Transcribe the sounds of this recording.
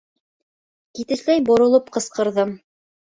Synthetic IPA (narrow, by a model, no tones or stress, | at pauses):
kit̪ɘ̆ʃlæjbŏɾŏlˠɤpqɤ̆sqɤ̆ɾðɤm